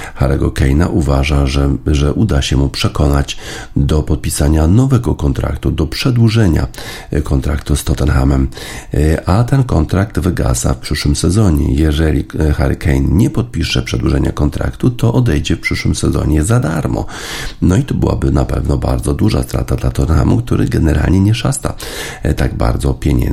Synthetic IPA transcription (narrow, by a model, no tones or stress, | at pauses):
xaɾʔɛɡɔkɛjna̰ʔuvaʐaʐɛʔud̪aɕɛmupʂɛkɔnad͡ʑd̪ɔpɔt̪̚pʲisaɲanɔvɛɡɔkɔnt̪ɾa̰kt̪ud̪ɔpʂɛd̪wuʐɛɲa̰ | kɔnt̪ɾakt̪ust̪ɔt̪ɛnxamɛm | ʔat̪ɛnkɔnt̪ɾak̚t̪vɘɡa̰za̰fpʂɘʂwɘmsɛzɔɲɛ̰jɛʐɛlʲixa̰ɾkʰɛjnɲɛpɔt̪̚pʲiʂɛpʂɛd̪wuʐɛɲakɔnt̪ɾa̰kt̪ut̪ɔʔɔd̪ɛjd͡ʑɛfpʂɘʂwɘmsɛzɔ̰ɲɛzad̪aɾmɔ̰ | nɔit̪ɔbɘwa̰bɘnapɛ̰vnɔbaɾd̪zɔd̪uʐa̰st̪ɾa̰t̪ad̪lat̪ɔt̪nxa̰mukt̪uɾɘ̰ɡɛnɛɾʔa̰lɲɛɲɛʂast̪a | t̪aɡ̚ba̰ɾd̪zɔpʲjɛɲɛ̰